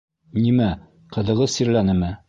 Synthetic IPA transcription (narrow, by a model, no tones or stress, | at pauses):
nimæ | qɤ̆ðɤ̆ʁɤðsiɾlænɘmɘ